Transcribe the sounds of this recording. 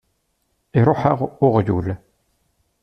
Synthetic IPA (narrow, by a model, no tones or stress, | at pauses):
iɾˤoħəʁʊʁjṵl